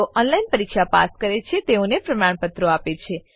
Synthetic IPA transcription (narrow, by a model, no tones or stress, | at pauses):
oʔɔnlainpəɾikʃapa̰skəɾet͡ʃʰet̪eonepɾəmaɳpət̪ɾoapet͡ʃʰe